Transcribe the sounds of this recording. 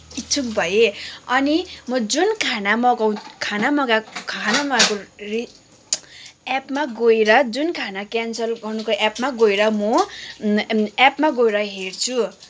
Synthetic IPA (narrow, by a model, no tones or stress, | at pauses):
it͡sʰuk̚bʱʌjeʌnimʌd͡zunkʰanamʌɡʌwkʰanamʌɡakʰanamʌɡakori | apmaɡoeɾʌd͡zunkʰanakansʌlɡʌnukoʔapmaɡojɾʌmʌ | apmaɡoeɾʌɦert͡sʰu